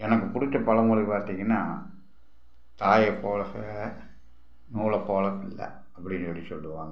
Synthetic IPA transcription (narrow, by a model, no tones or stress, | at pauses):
ɛnɐkːɯpʊɽɪt͡ʃːɐpɐlɐmʊːɭipaːɾt̪ːiːŋɡɐnːaː | t̪aːjɐpːoːɭɐs | nuːlɐpoːɭɐtːɪlːɐ̰ | ɐpːɐɽɪnsɐɽisɔlːɯʋaːŋɡɐ